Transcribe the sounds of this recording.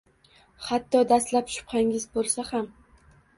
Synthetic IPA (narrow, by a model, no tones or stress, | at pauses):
hat̪ʰːɒd̪ast̪lapʃʊ̥pqaŋɪzbolˠsaham